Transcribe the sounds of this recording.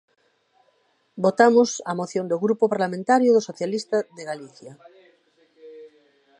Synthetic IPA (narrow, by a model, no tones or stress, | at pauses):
bot̪amʊsamoθjõnd̪oɣɾupopaɾlamẽnt̪aɾjʊðosoθjalist̪aðeɣaliθja